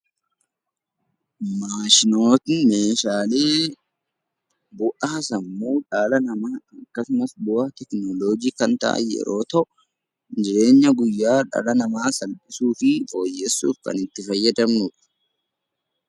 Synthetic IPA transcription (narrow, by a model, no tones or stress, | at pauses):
maːʃɪnoːt̪ɪnmeːʃaːle̞ː | bʊʔaːsɐmːuːᶑaːlɐnɐmaːɐkːɐsʊmɐsbʊʔɐːt̪ɛknoːloːd͡ʒiːkɐnt̪ɐ̰ʔɐ̰jɛ̰ɾo̞ːt̪ɐʔ | d͡ʒɪɾe̞ːɲːɐɡʊjːaːᶑa̰ːlɐnɐmaːsɐlpʼɪsuːfɪfo̞ːjːesːṵːfkɐ̰nɪt̪ːɪfɐjːɐd̪ɐmnʊᶑɐ̥